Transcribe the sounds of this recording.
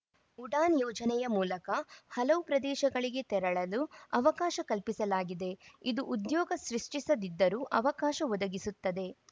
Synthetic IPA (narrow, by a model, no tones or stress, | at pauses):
uɖaːnjɔːd͡ʒɐnɛjɐmuːlɐkɐhɐlɐʋupɾɐd̪ɛːʃɐɡɐɭiɡe̞t̪ɛɾɐɭɐluɐʋɐkaːʃɐkɐlpisɐlaːɡid̪e̞id̪uʔud̪jɔːɡɐsɾiʂʈisɐd̪id̪ːɐɾuːʔɐʋɐkaːʃɐʋɔd̪ɐɡisut̪ːɐd̪e̞